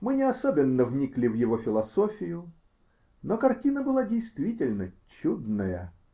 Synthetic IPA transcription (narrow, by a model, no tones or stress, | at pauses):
mɨnʲɪɐsobʲɪnːəvnʲiklʲɪvjɪvofʲɪlˠɐsofʲɪjʊ | nokɐrtʲinəbɨlˠadʲejst̪vʲitʲɪlʲnət͡ɕud̪nəjə̰